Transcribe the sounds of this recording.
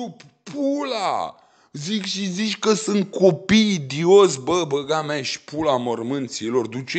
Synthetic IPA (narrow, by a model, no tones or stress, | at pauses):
up | pʰula̰ | zikʃizit͡ʃʲkəsɨnt̪̚kopijd̪iosbəbəɡameʃpulamərmɨnt̪silo̞rd̪ut͡ʃe